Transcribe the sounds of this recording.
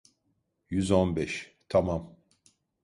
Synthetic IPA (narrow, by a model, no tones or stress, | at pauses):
jyzonbɛʃt̪ʰamam